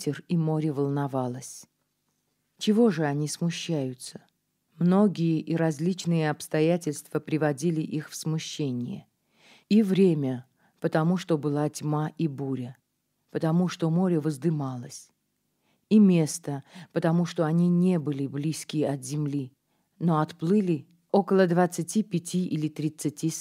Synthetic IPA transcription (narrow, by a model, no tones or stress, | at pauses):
tʲɪrimo̞ɾʲɪvəlˠnɐvalˠəsʲ | t͡ɕɪvo̞ʐɨɐnʲismʊɕːæjʊt̪sə̥ | mno̞ɡʲɪjəʔiɾɐzʲlʲit͡ɕnɨjəɐpst̪ɐjætʲɪlʲst̪v̥əpɾʲɪvɐdʲilʲɪʔixfsmʊɕːenʲɪjə̰ | ivɾʲemʲə | pət̪ɐmuʂt̪o̞bɨlˠatʲmaʔibuɾʲə | pət̪ɐmuʂt̪o̞mo̞ɾʲɪvəzd̪ɨmalˠəsʲ | imʲe̞st̪əpət̪ɐmuʂt̪o̞ɐnʲinʲe̞bɨlʲɪblʲiskʲɪjəɐt̪zʲɪmlʲi | no̞ɐt̪plˠɨlʲɪ | o̞kəlˠəd̪vat̪sɨtʲipʲɪtʲiʔilʲɪt̪ɾʲɪt̪sɨtʲi